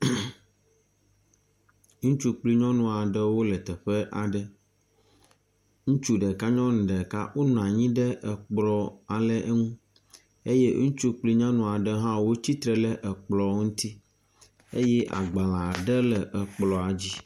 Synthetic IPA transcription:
ŋũ˦t͡ʃu˦k͡pli˦ɲɔ̃˦nũ˦a˨ɖə˦wo˦lɛ˨t̪ɛ˨ɸe˦ʔa˨ɖɛ˦ | ŋũ˦t͡ʃu˦ɖɛ˨ka˦ɲɔ̃˦ñ̩˨ɖɛ˨ka̰˦wo˦nũ˨ã˨ɲĩ˦ɖɛ˦ʔɛ˨k͡plɔ˨a˨lɛ˦ʔe˦ŋũ˦ | e˦je˦ŋũ˦t͡ʃu˦k͡pli˦ɲɔ̃˦nũ˨a˨ɖɛ˦ɦã˦wo˦t͡ɕi˦t̪ɾɛ˦lɛ˦ʔɛ˨k͡plɔ˨ŋũ˦t̪i˦ | e˦jɛ˦ʔa̰˨ɡ͡ba˨la˨ɖɛ˦lɛ˨ʔə˨k͡plɔ˨a˨d͡ʑi˦

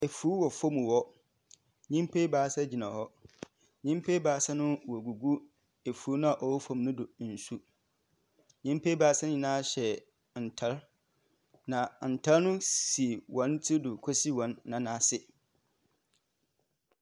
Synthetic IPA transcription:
e˨fu˦wɔ˨fo˦mũ˨wɔ˦ | ɲĩ˦m˦pʰe˦baː˨˦sa˦d͡ʑi˨nã˨hɔ˦ | ɲĩ˦m˦pʰe˦baː˨˦sa˦nʊ̃˦wɔ˨ɡu˨ɡu˦ | e˨fu˨˦nʊ̃˦a˨ʔɔ˨wɔ˦fɔ̃˨mnʊ̃˦dʊ˨n̩˨su˦ | ɲĩ˦m˦pʰeː˦baː˨˦sa˦ñ˦ɲĩ˨nã˦˨ɕɛ˨ | n̩˨tʰa˦ɾ | nã˨n̩˨tʰa˦lnʊ̃˦si˨wɔ̃˨˦ntʰɪ˦dʊ˨kʰɔ˦si˦wɔ̃˨˦nːã˨nã˨˦sɪ˦

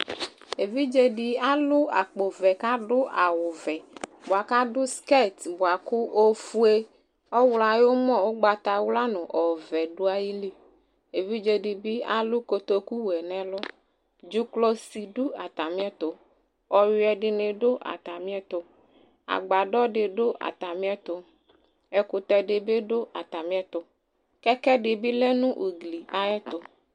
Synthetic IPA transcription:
e˨vi˦d͡ʒe˦ɖi˦a˦lʊ˦a̰˨k͡po˨vɛ˨ka˦ɖʊ˦ʔa˨wʊ˨vɛ˨bo˨a˨ka˦ɖʊ˦ske˦˨t̪bo˨a˨kʊ˦ʔo˦fu˦e˦ | ɔ˦wla˨jo˦mɔ̃˦˨wo˦ɡ͡ba˨t̪a˨wla˦nʊ̃˨ʔɔ˨vɛ˨ɖo˦a˦ji˦li˦ | e˨vi˦d͡ʒe˦ɖi˨bi˦a˦lu˦ko˨t̪o˦ku˦wɛ˨nɛ̃˨lɔ˦ | d͡ʒu˦klɔ˦si˨ɖu˦a˨t̪a˨mĩ˦ɛ˦t̪o˨ | ɔ˨wi˦ɛ˨ɖɪ˨nẽ˨ɖo˦ʔa̰˨t̪a˨mĩ˦ɛ˦t̪o˨ | a̰˨ɡ͡ba˨ɖɔ˦ɖɪ˨ɖo˦ʔa̰˨t̪a˨mĩ˦ɛ˦t̪o˨ | ɛ˨ku˨t̪ɛ˨ɖe˨be˦ɖo˦ʔa̰˨t̪a˨mĩ˦ɛ˦t̪ʊ˨ | kɛ˦kɛ˦ɖɪ˨bi˦lɛ˦nũ˦ʔu˨ɡli˨a˨ɛ˦t̪ʊ˦

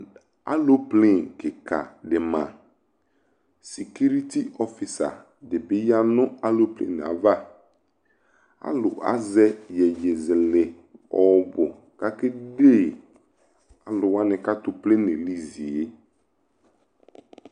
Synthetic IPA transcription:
a̰˦lo˦ple˦˨nkɪ˨kʰa̰˨dɪ˨mã˨ | si˨ku˦ɾi˦ti˦ʔɔ˦fɪ˨sa̰˨ | dɪ˨bɪ˦ja˦nʊ̃˦a˦lo˦plḛ˨n˨a̰˨va˦ | a̰˦lʊ̰˨ʔa̰˦zɛ˦jɛ˨je˨zɪ˨lɪ˨ | ɔ˨bʊ˨ | ka˦kɪ˦de˦˨ | a˨lʊ˨wa˦nɪ̃˨ka˦tʊ˨ple˦nɪ̃˨li˦zi˨e˦

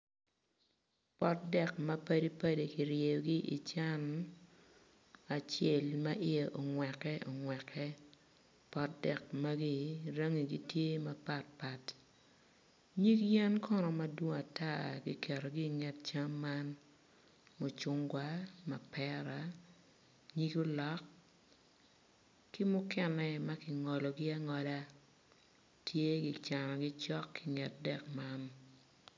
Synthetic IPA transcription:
pɔ˦t̚dɛ˦kmɐ˦pɐ˦di˦pɐ˦de˨ki˨ɾje˨jo˨ɡi˦ʔi˨t͡ʃa˦n | a˨t͡ʃe˦˨lmɐ˦ʔɪ˦e˨ʔo˨ŋwɛ˨kːɛ˦ʔɔ˨ŋwɛ˨kʰɛ | pɔ˦t̚dɛ˨k̚mɐ˦ɡi˦ɾɐ˦ŋi˨ɡi˦tje˦mɐ˦pa˦t̚pa˨t | ɲi˦kjɛ˦nkʰɔ˦nɔ˨mɐ˦dwo˦ŋa˨ta˦˨ɡḭ˨kʰɛ˨ɾo˨ɡɪ˦ŋɛ˨t̚t͡ʃa˦mːa˦n | mo˨t͡ʃʊ˦ŋɡwa˦ma˨pɛ˦ɾa˨ | ɲi˦ɡo˦lɔ˦k | kːɪ˦mʊ˦kɛ˦nɛ˨ma˦kɪ˨ŋɔ˨lɔ˨ɡɪ˦a˦ŋɔ˨la˦ | tʰje˦ɡɪ˨t͡ʃa˨nɔ˨ɡɪ˦t͡ʃɔ˦kːɪ˨ŋɛ˨t̚dɛ˨kma˦n

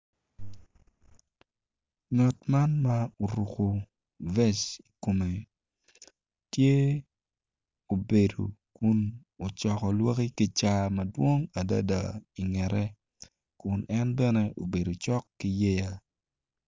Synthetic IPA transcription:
ɲɔ˨tma˦nma˦o˨ɾu˨ko˨ | vɛ˦t͡ʃi˨ko˨me˨ | tje˦ | o˨be˨do̰˨kʊ˦n | o˨t͡ʃɔ˨kɔ˨lwa˦ki˦ki˦t͡ʃa˦mɐ˨dwo˦ŋa˨da̰˦da̰˨i˨ŋɛ˨ɾɛ˦ | kʊ˨nʔɛ˦nbɛ˦nɛ˦ʔo˨be˨do˨t͡ʃɔ˦kːi˦jɛ˦ja˦

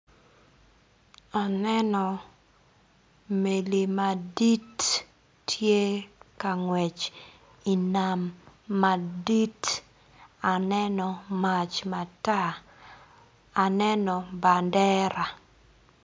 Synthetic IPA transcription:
a˨nɛ˦nɔ˨ | me˨li˨ma˨di˦tː | je˦ka˨ŋwɛ˨t͡ʃ | i˨na˨mːadi˦t | a˨nɛ˦nɔ˨ma˨t͡ʃma˨ta˦˨ | nɛ˦nɔ˨ba˨ndɛ˦ɾʔa˨

